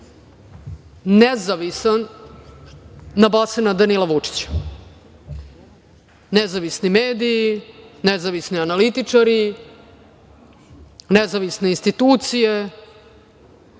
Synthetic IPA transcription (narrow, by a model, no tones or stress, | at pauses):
nezaʋisan | abasenad̪anilˠaʋut͡ʂi̥t͡ɕḁ | nezaʋisnimeːd̪iinezaʋisnianalit̪it͡ʂaɾi | nezaʋisne̞inst̪it̪uːt̪sije